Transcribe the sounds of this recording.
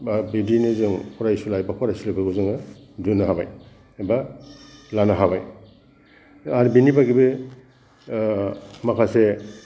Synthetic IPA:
babidinezɯŋkʰɔɾajsulajbakʰɔɾajsulabaɡuzɯŋa | dunaɦaba̰j | ba | lanaɦabaj | aɾbinibaɡibe | makʰase

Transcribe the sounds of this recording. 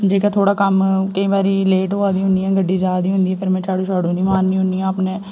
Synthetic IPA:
d͡ʒeːkaːt̪ʰoːɽaːkəmkəĩːbaːɾiːleːʈɦoːaːd̪iːɦʊniːɛ̃ːɡəɖːiːzaːd̪iːɦʊ̃nd̪iːɛːpʰɪɾmɛ̃ːt͡ʃaːɽõːʃaːɽõːniːmaːnːĩːɦʊ̃niːãːəpnẽː

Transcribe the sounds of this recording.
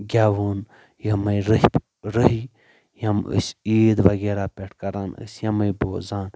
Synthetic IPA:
ɡʲaːʋun | jɐmɐjɾə | ɾəɦi | jɐmə̰sʲiːd̪ʋɐɡeːɾaːpʲeʈʰkɐɾaːnə̰sʲjɐmɐjboːzaːn

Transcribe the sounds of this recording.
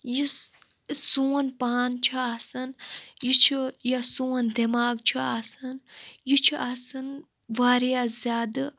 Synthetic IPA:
ji | suːɐnpaːnt͡ʃʰuasɐnjit͡ʃʰujasuːɐnd̪imaːɡt͡ʃʰuasɨnjit͡ʃʰiʔasɨn | ʋaːɾjazʲaːd̪ɨ

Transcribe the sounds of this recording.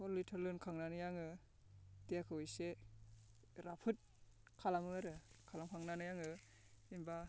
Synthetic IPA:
ɔɾlitʰaɾlɯnkʰaŋnanɯjaŋɯ | tejakʰɯwɯjse | ɾapʰɯt̚ | kʰalamɯaɾɯkʰalamkʰaŋnanɯjaŋɯ | imba

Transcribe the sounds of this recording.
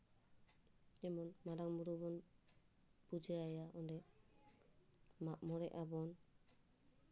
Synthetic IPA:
ɛmɔnmaɾaŋmuɾubɔn | pud͡ʒɛajaɔndɛ | maʔ̚mɔɾɛʔabɔn

